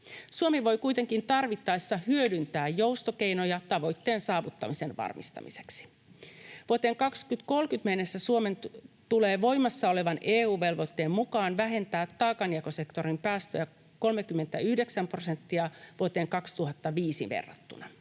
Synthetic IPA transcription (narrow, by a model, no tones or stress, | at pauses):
suomiʋo̞jkujt̪e̞ŋkint̪ɑrʋit̪ːɑjsːɑhyødynt̪æːjjo̞wst̪oke̞jnojɑt̪ɑʋo̞jt̪ːeːnsɑːʋut̪ːɑmise̞nʋɑ̰rmist̪ɑ̰mise̞̥ksi̥ | ʋuot̪eːŋkɑkskyt̪ko̞lkyt̪menːesːæsuoment̪uleːʋo̞jmɑsːɑo̞le̞ʋɑneːuːʋe̞lʋo̞t̪ːe̞ːmmukɑːnʋæɦe̞nt̪æːt̪ːɑːkɑniɑkose̞kt̪o̞ɾimpæːst̪ø̰jæ | ko̞lmekymːe̞nt̪æyhdeksæmpro̞sent̪ːiɑʋuot̪e̞ːŋkɑkst̪uhɑt̪ːɑʋiːsiʋḛrːɑ̰t̪ːṵnɑ